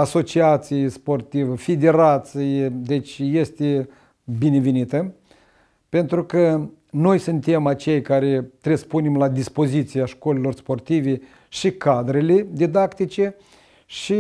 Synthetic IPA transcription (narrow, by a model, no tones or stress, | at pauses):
aso̞t͡ʃiat̪sijespo̞rt̪ivəfed̪e̞ɾat̪sijed̪et͡ʃʲje̞st̪e | bine̞venit̪ə | pe̞nt̪ɾukə | no̞jsɨnt̪e̞mat͡ʃe̞jkaɾet̪ɾesə̥pune̞mlad̪ispo̞zit̪sijaʃkolelo̞rspo̞rt̪ive̞ | ʃikad̪ɾele̞d̪id̪akt̪it͡ʃe̞ | ʃi